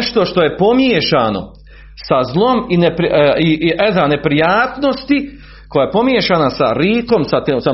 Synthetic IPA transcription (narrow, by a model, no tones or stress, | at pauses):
ʃt̪o̞ʃt̪o̞je̞po̞mjeːʃaːno̰ | sazlˠo̞minepɾiiʔed̪ane̞pɾijaːt̪no̞st̪i | kojaepo̞mjeːʃanasa̰ɾiːko̞msat̪iːmsa